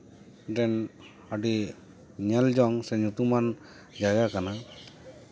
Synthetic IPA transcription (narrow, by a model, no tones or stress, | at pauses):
ɖɛn | aɖi | ɲɛld͡ʒɔŋsɛɲut̪uman | d͡ʒaɡakana